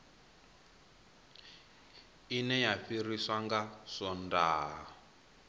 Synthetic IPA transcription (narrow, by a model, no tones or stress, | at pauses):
inɛjaɸiriswaŋɡaʂɔndaː